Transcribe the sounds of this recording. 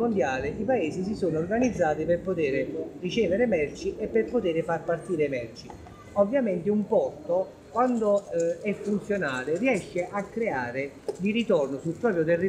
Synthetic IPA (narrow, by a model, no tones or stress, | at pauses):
ond̪jaːlɪʔipaeːsis̬isoːnoːrɡanid̪zːaːt̪iperpot̪eːɾerit͡ʃɛːveɾemɛrt͡ʃiʔɛpːerpot̪eːɾɪfarpart̪iːɾemɛrt͡ʃi | ovːjamɛnt̪ɪumpɔrt̪o | kwand̪oɛfːunt̪sjonaːlɪriɛʃːeʔakːɾeaːɾɪ | d̪iɾit̪ɔrnosulpɾɔːpɾjot̪ɛrːi